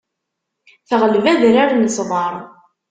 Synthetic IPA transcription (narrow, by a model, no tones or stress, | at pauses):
θəʁəlvæðɾaɾnəsðˤɑɾˤ